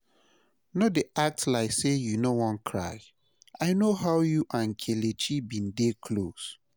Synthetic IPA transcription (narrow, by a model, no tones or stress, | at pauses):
nodeʔak̚tlaɪsejunowɔ̃nkʰɹa̰ɪ | aɪnoɦawjuʔãnkʰelet͡ʃibĩndekʰlos